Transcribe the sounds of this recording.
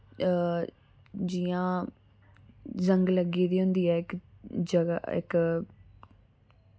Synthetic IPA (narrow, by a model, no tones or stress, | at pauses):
d͡ʒiːãː | zəŋɡləɡiːd̪iːɦʊ̃nd̪iːɛːɪkd͡ʒəɡaɪ̰k